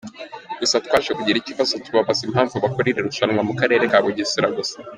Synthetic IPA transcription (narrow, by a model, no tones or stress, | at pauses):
ɡ̥usatkwaːʃekuɟiɾicivasociβaβazimhaːɱvuβakoɾiɾe̞ɾuʃanŋwamukaɾe̞ːɾekaːβoɟisiɾaɡose̥